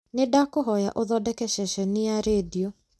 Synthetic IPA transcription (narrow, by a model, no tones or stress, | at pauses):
nedakoɦɔja̰ʔoðɔdɛkɛʃɛʃɛniaɾeːdio